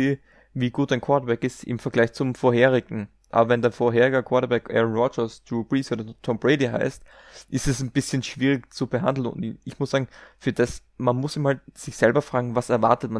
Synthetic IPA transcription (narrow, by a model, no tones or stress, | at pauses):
eː | viːɡuːtdaɪnkʰw̥ɔɐtɐbɛkɪstɪ̰mfɛɐɡlaɪçt͡sʊmfoːɐheːʁ̞ɪɡŋ̩ | ʔa̰ːbɐvɛndaɪnfoːɐɦeːʁɪɡɐkʰv̥ɔɐtɐbɛkʔɛ̰ʁɔnʁɔd͡ʒəsdub̥ʁiːsoːdɐtʰɔmbʁeɪdiɦa̰ɪst | ʔɪstɛsnb̥ɪsçənʃv̥iːʁɪkt͡subəɦa̰ndl̩nʊ̰̃ntɪçmʊszaːɡŋ̩fyːɐd̥as | manmʊsiːmhalt̚z̥ɪçz̥ɛlbɐfʁ̥aːɡŋ̩vasɛɐva̰ɐtətma